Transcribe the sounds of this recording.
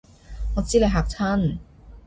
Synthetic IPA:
ŋɔː˨˧t͡siː˥le˨˧ɦaː˨˩k̚t͡sʰa˥n

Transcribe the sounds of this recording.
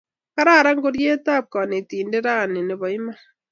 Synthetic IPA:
ka˦ɾa˦˨ɾa˦ŋɡo˦ɾje˦ta˦p̚kɔ˨ne˨tiː˨nde˦ɾa˦˨ne˨ne˨bɔ˨i˦ma˦

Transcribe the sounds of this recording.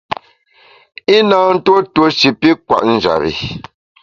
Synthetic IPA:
i˦naː˨n̩˦two˦two˦ʃi˨pi˦kwa̰˨ʔn̩˦d͡ʒa̰˨βḭ˨

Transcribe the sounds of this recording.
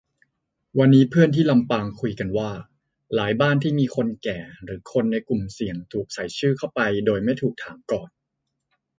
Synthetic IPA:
wa˧nːiː˦˥pʰɯ˥˩ənt̪ʰiː˥˩la˧mpaː˧ŋkʰu˧jka˧nwaː˥˩ | laː˩˦jbaː˥˩nt̪ʰiː˥˩miː˧kʰo˧nkɛː˨˩ɾɯː˩˦kʰo˧nːa˧jku˨˩msi˨˩əŋt̪ʰuː˨˩k̚sa˨˩˦jt͡ɕʰɯː˥˩kʰa˥˩wpa˧jdoː˧jma˥˩jt̪ʰuː˨˩k̚t̪ʰaː˩˦mkɔː˨˩n

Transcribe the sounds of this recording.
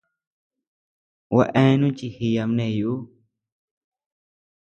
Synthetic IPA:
wʔa̰˧ʔɛ̃˦nũ˦t͡ʃi˧˨hi˧ja˧m˧nẽ˧˨ju˦

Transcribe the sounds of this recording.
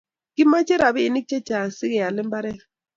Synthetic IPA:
ki˦ma˦t͡ʃɛ˦ɾa˨βiː˦˨ni˦k̚t͡ʃɛ˦t͡ʃa˨si˦kɛ˨ja˨lɪ˦m˦ba˦ɾɛ˦

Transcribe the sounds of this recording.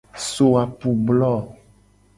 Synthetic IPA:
so˨a˨pu˨blɔ˦˨

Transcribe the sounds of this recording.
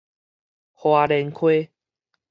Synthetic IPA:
hwa˧ɾɛ˧nkʰwe˦

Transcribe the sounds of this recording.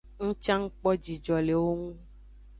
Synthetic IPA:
ŋũ˦t͡ʃã˦ŋ̩˦k͡pɔ˦d͡ʒi˨d͡ʒɔ˨le˨wo˦ŋũ˦

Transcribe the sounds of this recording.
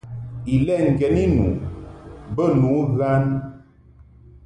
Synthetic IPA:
i˨lɛ˦˨ŋ̩˨ɡɛ˨˦ni˦nṵ˨ | bə˦˨nu˨˦ɣa˦n

